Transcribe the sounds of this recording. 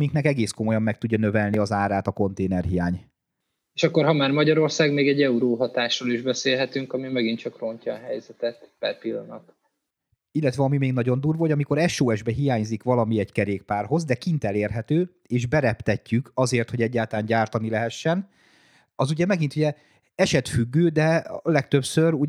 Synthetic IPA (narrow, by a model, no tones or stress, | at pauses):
iŋknɛkɛɡeːsko̞mo̞jɒmːɛk̚t̪uɟːɒnø̞vɛlniɒzaːɾaːt̪ɒko̞nt̪eːnɛrɦijaːɲ | eːʃɒkːoɾɦɒmaːrmɒɟɒɾo̞rsaːɡmeːɡɛɟɛuɾoːɦɒt̪aːʃroːliʒbɛseːlɦɛt̪yŋkɒmimɛɡint̪t͡ʃɒkro̞ncɒːɦɛjzɛt̪ɛt̪b̥ɛpilːɒnɒt̪ | ilːɛt̪ʋɛɒmimeːɡnɒɟo̞nd̪uːrvoɟɒmiko̞ɾɛʃoːɛʒbɛɦijaːɲzikʋɒlɒmiɛɟkɛɾeːk̚paːrɦo̞zd̪ɛkint̪ɛleːrɦɛt̪øː | eːʒbɛɾɛpt̪ɛcːykɒzeːrt̪ho̞ɟɛɟːaːlt̪ɒlaːɲɟaːrt̪ɒnilɛɦɛʃːɛn | ɒzuɟɛmɛɡint̪uɟɛ | ɛʃɛt̪fyɡːøːd̪ɛlɛk̚t̪ø̞psøɾu